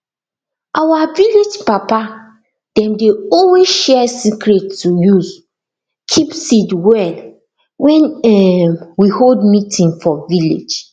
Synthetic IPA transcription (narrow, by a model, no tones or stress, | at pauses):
ʔawaviled͡ʒpapa | d̥ɛ̃mdeɔlwezʃɛsikɹɛtːujuz | kʰipsidwɛl | wɛ̃nɛmwiholdmitʰĩŋfɔvilḛd͡ʒ